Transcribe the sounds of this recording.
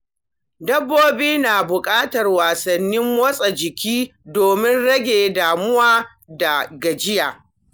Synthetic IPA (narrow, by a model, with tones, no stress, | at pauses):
dɐ˦bːoː˦biː˦naː˨bʊ˨kʼaː˦tɐ˨rwaː˨sɐ˨nːɪ˦mwɐ˦sʼa˨d͡ʒɪ˨kʲiː˦doː˨mɪ˦nɽɐ˦ɡʲeː˨daː˨mʊ˦waː˦ | da˨ɡɐ˨d͡ʒɪ˦jaː˨